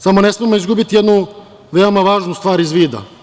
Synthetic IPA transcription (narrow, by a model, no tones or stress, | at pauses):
samonesmiemoizɡubit̪ijed̪nu | ʋeomaʋaːʒnust̪ʋaːɾizʋiːd̪a̰